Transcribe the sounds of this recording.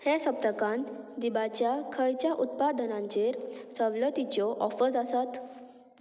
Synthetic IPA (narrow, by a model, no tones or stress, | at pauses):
hesəp̚t̪əkãnt̪d̪ibat͡ɕjakʰəjt͡ɕjaʔut̪̚pad̪ənãɲt͡ɕeɾsəʋlət̪it͡ɕɔʔɔfəsasat̪